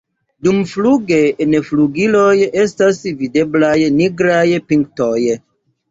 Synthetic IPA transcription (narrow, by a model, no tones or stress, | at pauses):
dumfluɡenfluɡiloje̞stasvide̞blajniɡɾajpiŋk̚toj